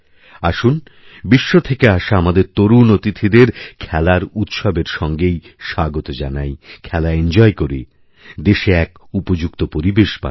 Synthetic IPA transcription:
aʃun | biʃːot̪ʰekeaʃaamad̪eɾt̪oɾunot̪it̪ʰid̪eɾkʰɛlaɾut̪ʃɔbeɾʃɔŋɡej | ʃaɡot̪od͡ʑanajkʰɛlaend͡ʑɔekoɾi | d̪eʃeɛkupod͡ʑukt̪opoɾibeʃpa̰

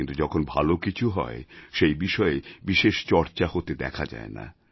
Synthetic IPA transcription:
int̪ud͡ʑɔkʰonbʱalokit͡ɕʰuɦɔ̰eʃejbiʃɔebiʃeʃt͡ɕɔɾt͡ɕahot̪ed̪ɛ̰kʰad͡ʑa̰ena̰

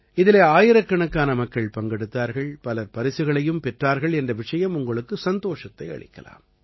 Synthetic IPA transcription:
ɪðɪleːaːjɪɾɐkːɐɳɐkːaːnɐmɐkːɐɭpɐŋɡɛɽɯt̪ːaːɾɣɐɭpɐlɐpɐɾɪsɯɣɐɭɐjɯmpɛʈraːɾɣɐɭɛndrɐʋɪʂɐjɐmʊŋɡɐɭɯkːɯsɐnd̪oːʂɐt̪ːɐɪɐ̰ɭɪ̰kːɐ̰la̰ːm

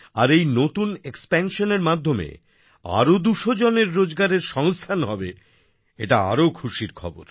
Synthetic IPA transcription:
aɾejnot̪unekspɛnʃoneɾmad̪ʱːomḛ | a̰ɾod̪uʃod͡ʑoneɾːod͡ʑɡaɾeɾʃɔŋst̪ʰanɦɔbe | eʈaa̰ɾokʰuʃiɾkʰɔ̰bo̰ɾ

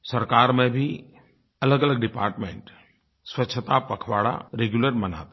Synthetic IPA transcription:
sɐɾkaːɾmẽbʱi | ɐləɡələɡ̚ɖɪpaːɾʈmḛ̃ːɳʈ | swɐtːʃʰət̪apɐkʰʋaːɽa̰ɾeːɡjuləɾmɐna̰ːt̪

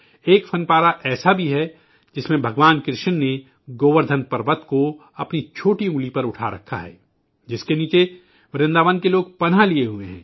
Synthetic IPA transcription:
eːkfʰɐnpaːɾaʔɛːsabʱiɦɛ | d͡ʒɪsmẽbʱɐɡʋaːnkɾɪʃənːe | ɡoːʋəɾd̪ʱənpɐɾʋət̪ko | ɐpnit͡ʃʰoːʈiuːlipɐɾʊʈʰa̰ɾɐ̰kʰːa̰ɦɛ̰ː | d͡ʒɪskeniːt͡ʃe | ʋɐɾẽnd̪aːʋənkeloːɡ̚pɐnɦalieɦueɦɛ̰̃ː

